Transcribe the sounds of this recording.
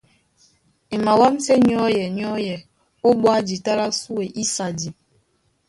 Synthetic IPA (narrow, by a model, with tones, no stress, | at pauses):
e˨ma˨wa˦mse˦ɲ˦ɔ˦jɛ˨ɲ˦ɔ˦jɛ˨ | o˦ɓwa˦d͡ʒi˨ta˦la˦su˦e˨ʔi˦sa˨di˨